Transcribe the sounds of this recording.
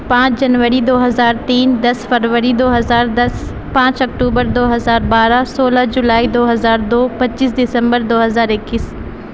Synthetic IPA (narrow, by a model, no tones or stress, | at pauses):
pãːt͡ʃʰd͡ʑɐnʋəɾid̪oːɦɐzaːɾt̪iːnd̪ɐsfɐɾʋəɾid̪oːɦɐzaːɾd̪ɐs | pãːt͡ɕɐk̚ʈuːbəɾd̪oːɦɐzaːɾbaːɾasoːlad͡ʑʊlaːid̪oːɦɐzaːɾd̪oːpɐt͡ɕːiːs̬dɪsə̃mbəɾd̪oːɦɐzaːɾɪkːis